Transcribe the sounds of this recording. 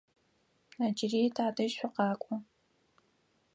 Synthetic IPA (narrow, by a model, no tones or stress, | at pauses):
nad͡ʒɪriːtʰaːdɐʃɕʷʊqɑːkʷʼɔ